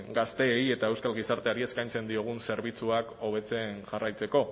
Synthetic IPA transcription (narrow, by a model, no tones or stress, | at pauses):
ɡast̪e̞je̞t̪ae̞wskalɣisaɾt̪e̞aɾie̞skajnt͡se̞nd̪io̞ɣ̞unse̞ɾβ̞it͡suako̞β̞e̞t͡se̞nʝarajt͡se̞ko̞